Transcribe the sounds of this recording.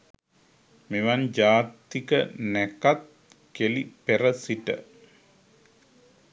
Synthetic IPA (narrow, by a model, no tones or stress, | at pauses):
meʋand͡ʒaːt̪ːikənɛkat̪̚ | kelipeɾəsiʈə̰